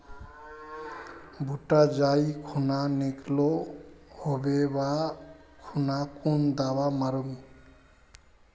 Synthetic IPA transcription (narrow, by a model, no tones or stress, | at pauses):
bʱuʈad͡ʒajkʰunaneklɔ | hobebakʰunakund̪awamaɾɯm